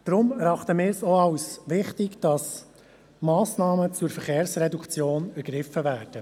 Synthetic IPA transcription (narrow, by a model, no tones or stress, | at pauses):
d̪̥ɾʊmɾɑχt̪əmɪːɾsoɑwsʋɪχtɪɡd̥ɑs | mɑːsnɑːmət͡sʊɾfəɛɾχeːɾsɾɛdukt͡sjoːnæɾɡ̥ɾɪfəvæːɾd̥ə